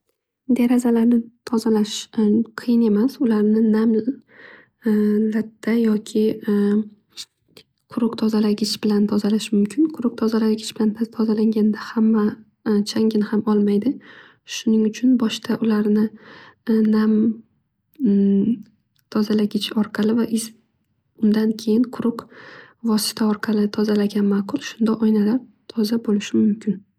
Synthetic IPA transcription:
d̪eɾazalaɾnɪt̪ʰɒzalaʃqʰɨjɪne̞masʊlaɾnɪnam | lat̪ʰːajɒkʲʰɪ | qʰʊɾʊqt̪ʰɒzalaɡʲɪt͡ʃbɪlant̪ʰɒzalaʃmʊmkʲʰɪnqʰʊɾʊq̚t̪ʰɒzalaɡʲɪt͡ʃb̥ɪlanʰt̪ʰɒzalaŋɡʲand̪ahamːa | t͡ʃʰaŋɡʲɪnhamɒlˠmajd̪ɪ | ʃʊnɪŋʊt͡ʃʰʊnbɒʃt̪ʰaʔʊlaɾnɪ | nam | t̪ʰɒzalaɡʲɪt͡ʃʰɒɾqʰɑlɪvaʔɪz | ʊnd̪ankʲʰe̞jɪnqʰʊɾʊqvɒsɪ̥t̪ʰaɒɾqʰɑlɪt̪ʰɒzalaɡʲanmaːqʰʊlˠʃʊnd̪aʔɒjnalaɾt̪ʰɒzabolɪʃɪmʊmkʲʰɪn

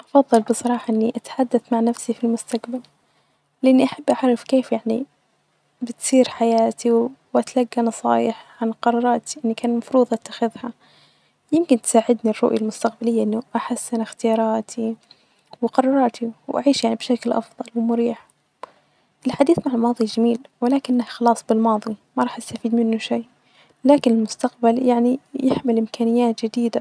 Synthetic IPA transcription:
ʔɑfɑðˤːɨlbɨsˤɑɾˤɑːħɑʔɪnːiʔat̪ḁħad̪ːaθmaʕnafsifilmʊst̪aqbal | lɪʔanːiʔaħabːʔaʕɾˤɑfkeːfjaʕni | bɪt̪siːɾħajaːt̪ʰiwwʔat̪laɡːanɑsˤɑ̰ːjɪħʕanqɑɾˤɑːɾˤɑːt̪iʔɪnːikaːnmɑfɾuːðˤʔat̪ːḁxɪðha | jɪmkɪnt̪saːʕɪd̪nirˤːʊ̰ʔjalmʊst̪aq̚balɪjːaʔɪnːʊʔaħasːɪnɪxt̪ɪjɑːɾˤɑːt̪ʰi | wqɑɾˤɑːɾˤɑɾˤt̪ʰiwʔa̰ʕiːʃjaʕnibʃaklʔɑ̰fðˤɑlwɪmʊɾiːħ | ʔɪlħad̪iːθmaʕɪlmɑːðˤid͡ʒamiːlwɪlaːkɪnːahxɑlɑːsˤbɪlmɑːðˤimaɾˤɑːħʔast̪afiːd̪mɪnːʊʃaː | laːkɪnɪlmʊst̪aqbaljaʕnijɪħmɪlʔɪmkaːnɪjːaːt̪d͡ʒɪd̪iːd̪a

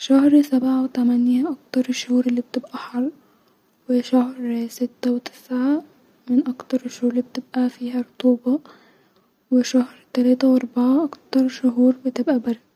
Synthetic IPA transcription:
ʃæhɾsabʕawɪt̪æmænjaʔɑk̚t̪ɑɾˤɪʃːʊhuːɾɪlːiːb̚t̪ɪbʔæħɑlː | wɪʃahɾsɪt̪ːæwɪt̪ɪ̥sʕa | mɪnʔɑkt̪ɑɾˤɪʃhuːɾlib̚t̪ɪbʔæfiːɦæɾˤʊt̪uːbɑ | wɪʃahɾt̪ælæːt̪awʔɑɾˤbɑʕaʔɑkt̪ɑɾˤʃʊɦuːɾbɪt̪ɪbʔæbɑɾˤd̪

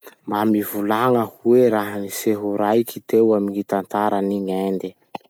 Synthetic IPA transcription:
mbamivulaŋəhueɾaɦəniseɦuɾajkʰit̪ewamiŋit̪ant̪aɾaniɲend̪i

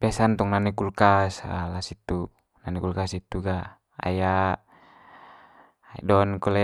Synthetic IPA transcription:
pɛsant̪ɔŋnanɛkulkasalasit̪u | nanɛkulkasit̪uɡa | a̰ja | dɔnkɔlɛ

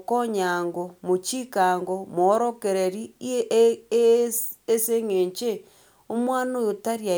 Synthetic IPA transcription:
koɲaŋɡomot͡ʃikaŋɡomoːɾokeɾeɾi | seŋeːɲt͡ʃe | omwaːnojotaɾja

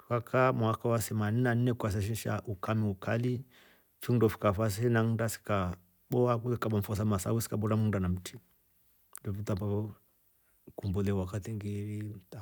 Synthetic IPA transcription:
kakʰamwakawaθɛmaninan̩nɛkas̬aʃ̬iʃa̰ʔukamiukʰali | t͡ʃundɔfi̥kafas̬iinaŋndasi̥ka | ɓɔakuɛkaɓaɱ̩fɔs̬amasa̰wusi̥kaɓɔɾamundanam̩tʰi | dɔvitapaɔ | kumbulɛwakatiŋɡiɾita

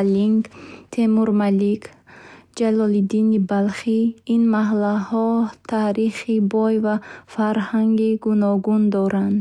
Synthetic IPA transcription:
liŋɡt̪ʰemuɾmalik | d͡ʒalɔlid̪inibalχiinmaɦlahɔt̪ʰaɾiχibɔjvafaɾhaŋɡiɡunɔɡund̪ɔɾand̪

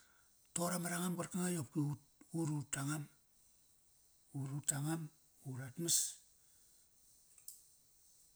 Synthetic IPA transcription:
toɾamaɾaŋambarkaŋajop̚kiu | uɾutaŋam | uɾutaŋam | uɾatmas

